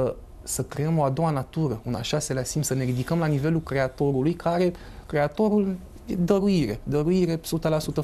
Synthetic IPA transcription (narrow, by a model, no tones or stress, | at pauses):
ə | səkɾe̞əmo̞ad̪o̞wanat̪uɾəuna̰ʃase̞lasimsəne̞ɾid̪ikəmlanive̞lukɾe̞at̪o̞ɾulujkʰaɾe̞ | kɾe̞at̪o̞ɾul | jed̪əɾuiɾe̞̰d̪əɾuiɾe̞sut̪əlasut̪ə